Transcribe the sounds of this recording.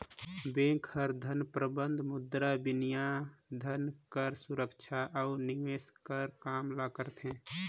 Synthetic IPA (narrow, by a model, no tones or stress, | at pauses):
bẽkʰhəɾd̪ʱənpɾəbənd̪ʱmʊd̪ɾabɪnijad̪ʱənkəɾsuɾəkt͡ʃʰaʔaʊniʋeːskəɾkaːmlakəɾt̪ʰɦɛ̃ː